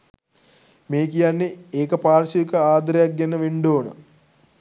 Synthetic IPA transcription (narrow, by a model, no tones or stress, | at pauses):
meːkijanːeeːkɐpaːɾʃikɐaːd̪ɾɐjak̚ɡenːɐʋeɳɖoːnə̰